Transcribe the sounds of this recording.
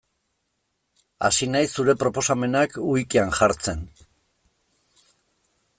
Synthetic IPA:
a̰sinajsːuɾe̞pɾo̞po̞same̞nakujkianʝaɾt͡se̞n

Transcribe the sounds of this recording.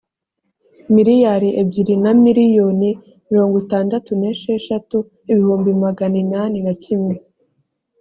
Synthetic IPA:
miɾijaɾiʔebɟiɾinamiɾijo̞ni | miɾo̞ːŋɡotaːndatuneʃeʃatu | iβihuːmbimaɡaninaninacimŋe

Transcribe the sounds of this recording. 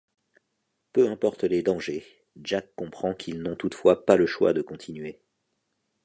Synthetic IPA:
pøɛ̃pɔʁt̪led̪ɑ̃ʒe | ʒakːɔ̃pχɑ̃kʰilnɔ̃t̪ut̪fwapaləʃwa̰d̪əkɔ̃t̪ʰinɥe

